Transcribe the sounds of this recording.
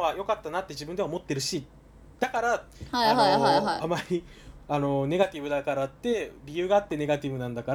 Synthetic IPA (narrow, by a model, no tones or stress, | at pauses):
βajo̞kat̪ːanat̪ːe̞ʑibɯ̃nd̪e̞aomot̪ːe̞ɾɯ̟ɕi | d̪̥akaɾaaoaamaɾʲi | ano̞ne̞ɡat̪ʲibɯd̪akaɾat̪ːe̞bʲijɯ̟ːɡaːt̪ːe̞ne̞ɡat̪ʲibɯ̟nãnd̪akaɾa